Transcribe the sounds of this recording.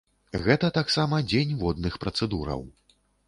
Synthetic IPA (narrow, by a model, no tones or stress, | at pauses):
ɣɛt̪ɐt̪aksamɐd͡zʲenʲvɔd̪nɨxpɾɐt̪sɛd̪uɾɐ̰w